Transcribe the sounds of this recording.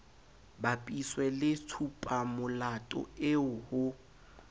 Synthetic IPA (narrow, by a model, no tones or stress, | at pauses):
bapʼiswɛlɪt͡sʰupʼamʊlatʼɔ̰ɪʊhʊ